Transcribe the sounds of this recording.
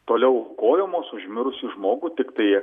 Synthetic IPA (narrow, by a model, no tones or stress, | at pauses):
t̪oːlʲɛʊkoːjɛmoːsʊʒʲmʲɪɾʊsʲʊʒmoːɡʊt̪ʲɪkt̪ɐɪ